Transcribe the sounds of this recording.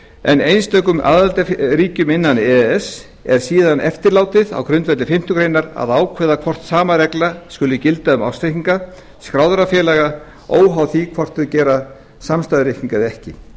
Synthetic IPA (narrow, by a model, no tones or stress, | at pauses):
ɛnejnst̪œːkʏma̰ːðalt̪aɾiːcʏmɪnːanɛɛs | ɛɾ̥siːðanʔɛft̪ɪɾlaːwt̪ɪða̰wkɾʏnt̪vɛt̪ɪfɪm̥t̪ʏkɾeːjnaɾa̰ðaːwkʰvɛːðakʰvɔr̥t̪saːmaɾɛklaskʏlʏcɪlt̪aʏma̰wst̪ejhiŋka | skɾawðɾafjɛːlaɣa | o̰ːwɦawθikʰvɔr̥t̪ʏðcɛːɾa | samst̪aðɾɪhciŋkaðɛhcɪ